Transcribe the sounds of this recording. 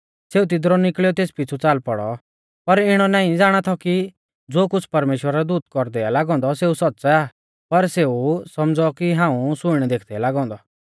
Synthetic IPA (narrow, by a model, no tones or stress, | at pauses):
seːut̪̬ɪd̪ɾɔnɪkɭɛɔt̪eːspɪt͡sʰut͡saːlpɔɽɔ̰ | pɐɾɪɽ̃ɔnaːĩd͡zaːɽ̃at̪ʰɔki | d͡zoːkʊt͡sʰpɐɾmeːʃwəɾd̪ud̪̚kɔɾd̪ɛalaːɡɔ̃ːnd̪ɔseːusɔtːsɛaː | pɐɾseːusɐmd͡zɔkiɦãːũsʊɪɽ̃ɛd̪eːkʰd̪ɛlaːɡɔ̃ːnd̪ɔ